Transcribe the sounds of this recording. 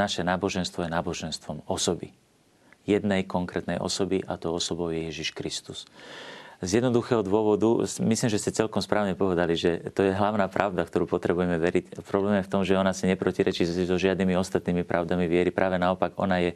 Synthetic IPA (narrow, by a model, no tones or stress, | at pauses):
naʃɛnaːbɔʒɛnst̪ʋɔjɛnaːbɔʒɛnst̪ʋɔmɔsɔbḭ | jɛd̪nɛjkɔŋkɾɛːt̪nɛjʔɔ̰sɔbiʔa̰t̪ɔʊɔsɔbɔʊjɛjɛʒiʃkɾist̪us | zjɛd̪nɔd̪uxɛɦɔd̪ʊɔʋɔd̪umislimʒɛscɛt͡sɛlkɔmspɾaːʊɲɛpɔʋɛd̪aliʒɛt̪ɔjɛɦlaʊnaːpɾʔa̰ʊd̪akt̪ɔɾuːpɔt̪ɾɛbujɛmɛʋɛɾicpɾɔblɛːmjɛft̪ɔmʒɛɔnasaɲɛpɾɔciɾɛt͡ʃizɔʒɪad̪niːmiɔst̪at̪niːmipɾʔaʊd̪amiʋɪɛɾipɾʔaːʋɛnaɔpaɡɔ̰najɛ